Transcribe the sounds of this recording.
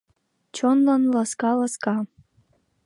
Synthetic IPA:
t͡ɕonlɑnlɑskɑlɑskɑ

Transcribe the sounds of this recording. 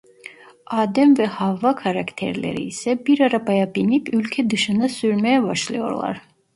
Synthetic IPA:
aːd̪ɛmvɛhavːakʰaɾakt̪ʰḛɾlʲḛɾḭːsɛbiɾaɾabajabinipʰylʲcʰɛd̪ɯʃɯnd̪asyɾmɛjɛbaʃlˠajo̞̰ɾlˠa̰ɾ̥

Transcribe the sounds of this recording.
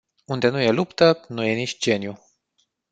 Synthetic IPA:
und̪e̞nuje̞lupt̪ənuje̞nit͡ʃʲd͡ʒe̞nju

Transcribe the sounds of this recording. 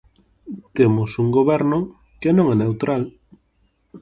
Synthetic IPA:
t̪emʊsuŋɡoβɛɾno | kenõŋɛnewt̪ɾʔal

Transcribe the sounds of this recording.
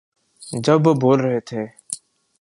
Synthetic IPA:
d͡ʒəbboːlɾəɦeːt̪ʰeː

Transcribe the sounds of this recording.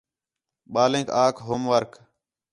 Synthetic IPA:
ɓaːlẽːkaːkʰɦoːmʋəɾk

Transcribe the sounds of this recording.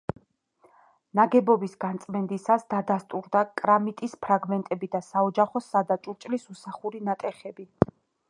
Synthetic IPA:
naɡɛbɔbisɡant̪sʼmɛnd̪isasd̪ad̪ast̪ʼuɾd̪akʼɾamit̪ʼispʰɾaɡmɛnt̪ʼɛbid̪asaɔd͡ʒaχɔsad̪at͡ʃʼuɾt͡ʃʼlisusaχuɾinat̪ʼɛχɛbi

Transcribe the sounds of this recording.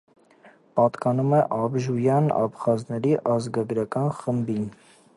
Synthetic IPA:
pɑt̪kɑnumɛʔɑbʒujɑnɑ̰pχɑznɛɾiʔɑzɡɑɡɾɑkɑnχəmbin

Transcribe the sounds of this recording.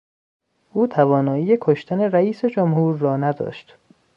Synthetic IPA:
ʔuːt̪ʰævɒːnɒːijekʰoʃt̪ʰæne̞ɾæiːse̞d͡ʒomhuːɾːɒːnæd̪ɒ̰ːʃt̪

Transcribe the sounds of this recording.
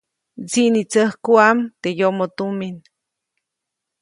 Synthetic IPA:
t͡siʔnit͡səhkuamt̪ejoʔmot̪umin

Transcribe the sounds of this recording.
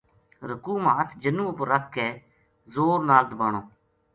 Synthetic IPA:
ɾəkuːmaːət̪ʰd͡ʒənũːpəɾək̚ʰkɛː | zoːɾnaːld̪əbaːɳoː

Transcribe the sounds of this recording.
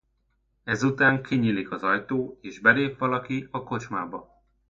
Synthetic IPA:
ɛzut̪aːŋkʰiɲiːlikɒzɒjt̪oːeːʒbɛleːpʋɒlɒkiɒko̞t͡ʃma̰ːbɒ

